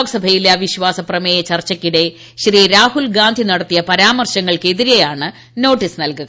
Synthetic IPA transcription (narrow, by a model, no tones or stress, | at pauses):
ɡsɐbʱɐjilɐʋiɕʋaːsɐprɐmeːjɐt͡ɕɐrt͡ɕːɐkːiɽe̞ | ɕriːɾaːhulɡaːnd̪ʱinɐɽɐt̪ːijɐpɐɾaːmɐrɕɐŋːɐɭkeðiɾejaːɳɨ | no̞ːʈːisnɐlkuɣɐ